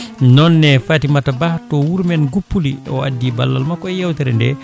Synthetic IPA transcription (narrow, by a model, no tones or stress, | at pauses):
nɔnːɛfatimatabahtɔwuɾmɛnɡupːuliɔ̰a̰dːiba̰lːa̰lmakɔɛjawtɛɾɛndɛ̰